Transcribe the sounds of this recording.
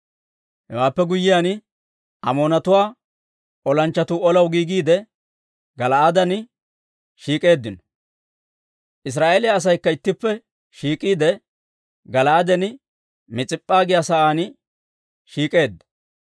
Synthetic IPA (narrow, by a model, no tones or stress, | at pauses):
hɛ̰waːpːɛɡʊjːɪjaːn | ʔɐmo̞ːnɐt̪ʊwaː | ʔɔlɐnt͡ʃːɐt̪uːɔlɐwɡiːɡiːd̪ɛ | ɡɐlɐʔad̪ɐnɪ | ʃiːkʼe̞ːd̪ːɪnɔ̥ | ʔɪs̬ɾaːʔeːlɪjaːs̬ɐjkːɐɪt̪ːɪpːɛ | ʃiːkʼiːd̪ɛ | ɡɐlɐʔad̪ɛnɪ | mɪt͡sʼɪpʼːaːɡɪjasɐʔaːn | ʃiːkʼe̞ːd̪ːɐ̥